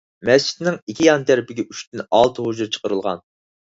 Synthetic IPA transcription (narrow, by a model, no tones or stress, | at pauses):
mɛst͡ʃʰi̥d̪nɪŋikʲʰijɑnt̪ʰæɾɪpɪɡʲɛʔyʃt̪ɪnɑlˠt̪ʰɨɦoʒuɾt͡ʃʰə̥qəɾɨlˠʁɑ̰n